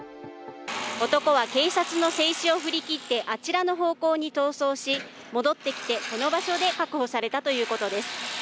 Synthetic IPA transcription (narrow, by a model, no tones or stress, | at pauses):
o̞t̪o̞ko̞β̞ake̞ːsat͡sɨno̞se̞ːɕio̞ɸɯ̟ɾʲikʲit̪ːe̞ʔat͡ɕiɾano̞ɦo̞ːko̞ːɲ̟it̪o̞ːso̞ːɕi | mo̞d̪o̞t̪ːe̞kʲi̥t̪e̞ko̞no̞baɕo̞d̪e̞kakɯ̟ho̞saɾe̞t̪at̪o̞jɯ̟ːko̞t̪o̞d̪e̞sɨ̥